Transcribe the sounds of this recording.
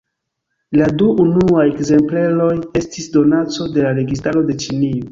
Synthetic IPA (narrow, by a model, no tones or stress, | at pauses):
laduːnuajekze̞mplelo̞je̞stisdo̞nat͡so̞de̞laɾe̞ɡis̬taɾo̞de̞t͡ʃinio